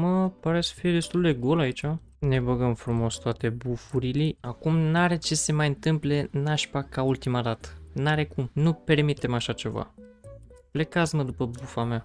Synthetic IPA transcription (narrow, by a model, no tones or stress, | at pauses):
məpaɾe̞sə̥fije̞d̪e̞st̪uld̪e̞ɡo̞lait͡ʃa | ne̞bəɡəmfɾumo̞st̪oat̪e̞bufuɾiliakumnaɾe̞t͡ʃe̞se̞majɨnt̪ɨmple̞naʃpakault̪imad̪at̪ə̥naɾe̞kumnupe̞rmit̪e̞maʃat͡ʃe̞va̰ | ple̞kat̪sməd̪upəbufamea